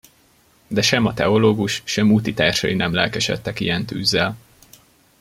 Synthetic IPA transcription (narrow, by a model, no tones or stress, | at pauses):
d̪ɛʃɛmɒt̪ɛoloːɡuʃʃɛmut̪it̪aːrʃɒ̰jinɛmlɛlkɛʃɛ̰t̪ːɛkḭjɛnt̪y̰ːzːɛl